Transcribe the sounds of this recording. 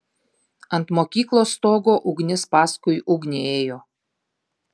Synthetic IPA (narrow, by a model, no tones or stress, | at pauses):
ɐnt̪mokʲiːklˠost̪oɡoʔuɡnʲɪspɑskujuɡnʲeeːjo